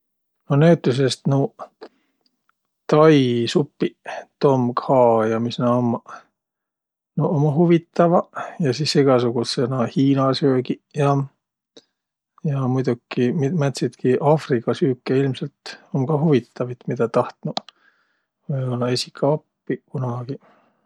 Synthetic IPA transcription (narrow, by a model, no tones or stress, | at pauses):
nonæwt̪ːˑus̬est̪nu | t̪ɑjsupːit̪o̞mkhɑːjɑmisnɑom | noʔomɑɦuvit̪ːˑɑvɑjɑsiːsiɡ̥ɑsuɡ̥usenɑhiːnɑsøːɡijɑ | jɑmujd̪ukːimimæt̪sit̪kiʔɑːfrikːˑɑsyːkːeilmselt̪omkɑhuvit̪ːˑɑvit̪mid̪̥ɑt̪ɑht̪nu | vɯjbolːɑesʲi̥kʰːɑopːikunɑɡ̥i